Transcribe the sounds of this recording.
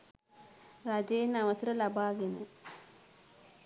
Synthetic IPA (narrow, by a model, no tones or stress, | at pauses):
raːd͡ʑɐjinːɐʋɐsɐɾɐlɐbʱaːɣenːu